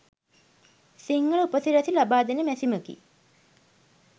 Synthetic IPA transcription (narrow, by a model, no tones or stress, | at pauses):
siŋɡəɭuupət̪iɾæt̪ilabaːd̪enəmɛsiməkḭ